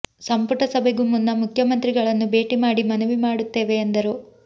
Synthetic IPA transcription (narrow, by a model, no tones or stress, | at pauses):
sɐmpuʈɐsɐbʱeɡumunːɐmukʰjɐmɐnt̪ɾiɡɐɭɐnːube̞ːʈimaːɽimɐnuʋimaːɽut̪ːeːʋe̞ːnd̪ɐɾu